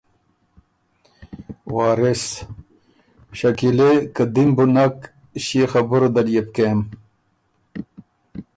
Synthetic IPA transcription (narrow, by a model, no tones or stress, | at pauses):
waːɾes | ɕɐkilekɐd̪imbunak | ɕixɐbuɾod̪ɐɾijep̚kem